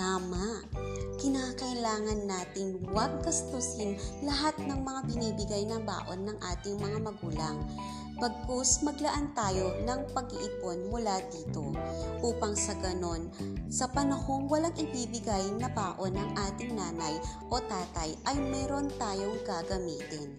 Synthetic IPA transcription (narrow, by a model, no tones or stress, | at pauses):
aːmaʔkɪnaːkɐʔɪlaːŋɐnːaːt̪ɪŋwɐɡ̚ːɐst̪osɪnlɐɦat̪̚nɐŋmɐŋabɪniːbɪɡajnɐŋba̰ːʔo̞nːɐŋʔaːt̪ɪŋmɐŋamɐɡuːlɐŋ | b̥ɐɡ̚kosmɐɡlɐʔant̪aːjo̞nɐŋpɐɡɪʔɪpo̞nmʊlad̪iːt̪o̞ʔuːpɐŋsɐɡɐno̞nsɐpɐnɐho̞ŋwɐlaŋʔɪbiːbɪɡajnɐbaːʔo̞nɐŋʔaːt̪ɪŋnaːnɐjʔo̞t̪aːt̪ɐjʔɐjmɛːɾo̞nt̪aːjo̞ŋɡaɡɐmiːt̪ɪn